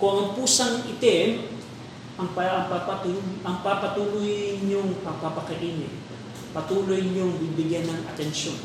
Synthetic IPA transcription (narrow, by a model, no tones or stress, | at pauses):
kʊŋɐŋpuːsɐŋʔɪt̪ɛn | ʔɐŋpapapat̪uɐŋpapɐt̪uːlʊjnoŋpɐpapɐkɐʔiːnɪt | pɐt̪uːlojɲoŋbibɪɡjanːɐŋɐ̰t̪ɛnʃon